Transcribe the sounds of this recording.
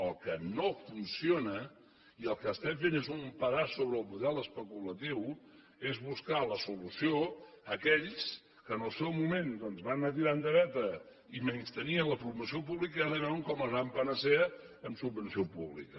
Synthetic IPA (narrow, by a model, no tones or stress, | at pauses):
əlˠkənofunsionə | iəlˠkəːst̪ɛmfenezumpəɾasoβɾəːlˠmuðɛləspəkulət̪iw | ezβuskaləsulusioəkɛʎs | kəːnəlˠsɛwmumend̪ɔnzβannat̪̬iɾand̪əɾɛt̪ə | imenst̪əniənləfuɾməsiop̬uβlikəaɾəβɛwəŋkɔməzβampənəsɛ | əmsubːənsiopuβlḭkə